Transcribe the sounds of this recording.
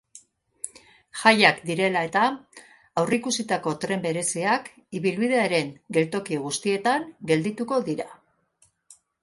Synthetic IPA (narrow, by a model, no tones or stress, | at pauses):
ʝajakd̪iɾe̞lae̞t̪aː | wrikusit̪ako̞t̪ɾe̞mbe̞ɾe̞siak | iβilβiðe̞aɾe̞ŋɡe̞lt̪o̞kioɣ̞ust̪ie̞t̪aŋɡe̞ld̪it̪uko̞ðiɾa